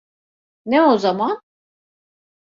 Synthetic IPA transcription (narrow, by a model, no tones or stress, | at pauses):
neozaman